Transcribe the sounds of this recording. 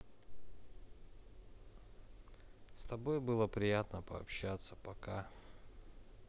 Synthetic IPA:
st̪ɐbojbɨlˠəpɾʲɪjat̪nəpəɐpɕːat̪sə̥pɐka

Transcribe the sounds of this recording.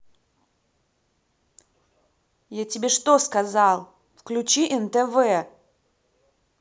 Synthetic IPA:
jatʲɪbʲeʂt̪oskɐzɑlˠ | fklʲʉt͡ɕiʔɛnt̪ɛvɛ

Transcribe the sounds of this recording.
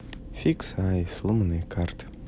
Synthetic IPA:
fʲiksajslˠɨmnɨkʰart̪

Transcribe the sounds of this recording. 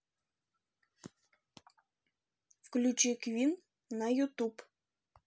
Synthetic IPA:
fklʲut͡ɕekvʲinː | ɑjut̪up

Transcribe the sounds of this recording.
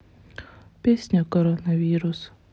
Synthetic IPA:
pʲɛːsʲnʲokɔɾɔnɐʋʲiːɾʊs

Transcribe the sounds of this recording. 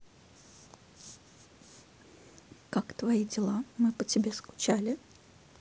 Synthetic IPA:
kakt̪vɐidʲɪlˠamɨpətʲɪbʲeskʊ̥t͡ɕalʲɪ

